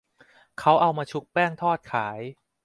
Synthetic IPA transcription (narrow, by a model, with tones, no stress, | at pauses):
kʰa˦˥wʔa˧wmaː˧t͡ɕʰu˦˥k̚pɛː˥˩ŋt̪ʰɔː˥˩t̪̚kʰaː˩˦j